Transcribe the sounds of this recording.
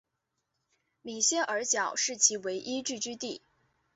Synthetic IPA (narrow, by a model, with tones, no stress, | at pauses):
mi˨˩ɕjɛ˥nʔə˞˧˥t͡ɕjɑ˨˩ʊʂɻ̩˥˩t͡ɕʰi˧˥we˧˥ɪʔi˥ʈ͡ʂ̩˥˧t͡ɕy˥t̪i˥˩